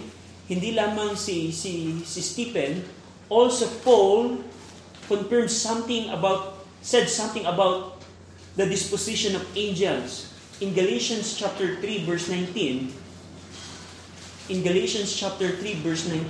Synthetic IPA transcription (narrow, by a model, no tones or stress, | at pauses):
hɪnd̪ilaːmɐŋsisisɪst̪ipɛ̃n | ʔolsopol | kɔ̃nfɛɹmsɐ̃mθɪ̃ŋɐbawt̪̚ | sɛd̪̚sɐ̃mt̪ɪ̃ŋɐbawt̪̚ | d̪ɐd̪ɪsposɪʃɔ̃nɔvẽjnd͡ʒɛls | ʔɪ̃nɡɐlejʃɐnst͡ʃap̚t̪ɛɹθɾivɛɹsnãj̃nt̪ĩn | ʔɪ̃nɡɐleʃɐ̃nst͡ʃap̚t̪ɛɹθɾivɛɹsnãjn